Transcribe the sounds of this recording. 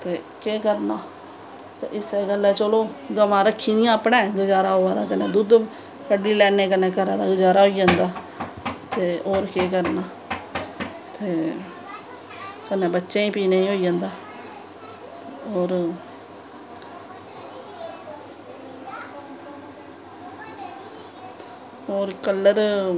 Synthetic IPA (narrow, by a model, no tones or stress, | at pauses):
t̪eːkeːkəɾnaː | t̪eːʔɪseːɡəlːɛːt͡ʃoːloːɡəmãːɾəkʰːiːd̪ɪjãːəpnɛ̃ːɡəd͡ʒaːɾaːɦoːaːd̪a̰ːkəneːd̪ʊd̪ | kəɖiːlɛːneːkənẽːkəɾaːd̪aːɡəd͡ʒaːɾaːɦoːiːd͡ʒãːnd̪aː | t̪eːoːɾkeːkəɾnaː | t̪eː | kənːẽːbətːʃeːĩːpiːnaːĩːɦoːiːd͡ʒãːnd̪aː | oːɾ | oːɾkəlːəɾ